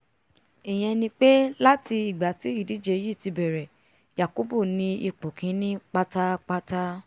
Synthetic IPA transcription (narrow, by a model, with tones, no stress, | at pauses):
ɛ˨j̃ɛ̃˧nĩ˧k͡pe˦la˦ti˧i˨ɡ͡ba˨ti˨˦i˦˨di˨˦d͡ʒe˧ji˦˨ti˧bɛ˨ɾɛ˨ | ja˨ko˨˦bo˦˨nĩ˧i˧k͡po˨kʰĩ˨˦nĩ˦k͡pa˧ta˦k͡pa˧ta˦